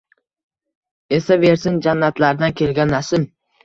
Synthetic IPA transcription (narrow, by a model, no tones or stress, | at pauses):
e̞save̞ɾsɪnd͡ʒanːat̪laɾd̪ankʲʰe̞lɡʲanasɪm